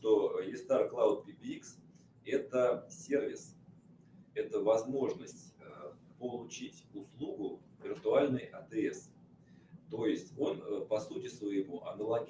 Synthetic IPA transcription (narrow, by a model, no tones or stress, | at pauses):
ʂt̪ojɪst̪arklˠaʊt̪̚pʲɪbʲiks | ɛt̪əsʲe̞rvʲɪs | ɛt̪əvɐzmo̞ʐnəsʲtʲəpəlˠʊt͡ɕitʲʊslˠuɡʊ | vʲɪrt̪ʊalʲnɨjʔɐt̪ɛs | t̪o̞jɪsʲtʲo̞npɐsutʲɪsvəjɪmuʔɐnəlˠɐɡʲ